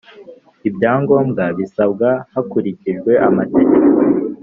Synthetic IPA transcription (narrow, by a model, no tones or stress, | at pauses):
ibjaːŋɡo̞ːmɡaβisabɡahakuɾiciʒɡwe̞ʔamate̞ɟeko